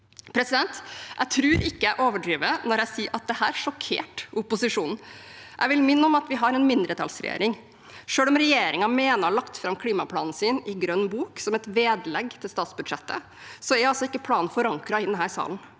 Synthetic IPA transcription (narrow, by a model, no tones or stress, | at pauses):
pʰɾɛsɪd̪ɛnt̪ʔæ̰ɪt̪ʰɾʉːɾɪkːəæɪʔoːʋəɖɾiːʋənɔɾæɪsiːʔɑt̪̚d̪ɛhæːɾʂɔkʰḛːʈʊpʊsɪʂuːnn̩ʔæ̰ɪʋɪlmɪnːəɔmɑt̪ʋɪɦɑɾɛnmɪnd̪ɾət̪ʰɑ̰lsɾɛ̰jḛːɾɪŋ | ʂøːlɔmɾɛjeːɾɪŋɑmeːnəɾɭɑkt̪fɾɑmkʰliːmɑpʰlɑːnn̩siːnɪɡɾœnːbuːksɔmɛt̪ʋeːd̪lɛɡt̪ʰɪlst̪ɑːt̪sbʉd̪ʂɛt̪ːə̰ | sɔɛɾɑlsɔɪkːəpʰlɑːnfɔɾɑŋkɾɑɪnːəɦæːɾsɑ̰ːln